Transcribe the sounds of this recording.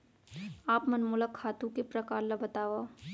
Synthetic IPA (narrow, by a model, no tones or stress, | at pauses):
aːpmɐnmuːlakʰːaːt̪ũkepɾɐkaːɾlabɐt̪aːʋa